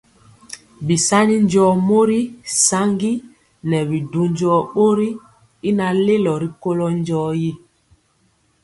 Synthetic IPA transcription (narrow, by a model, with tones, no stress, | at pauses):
bi˨sa˦ni˦n˦d͡ʒɔː˨˦mo˦ɾi˦sa˦ŋɡi˦ | nɛ˨bi˨du˨ɲd͡ʒɔ˦ɓo˦ɾi˦ | i˦na˨le˦lɔ˨ɾi˨ko˦lɔ˦nd͡ʒɔː˦ji˦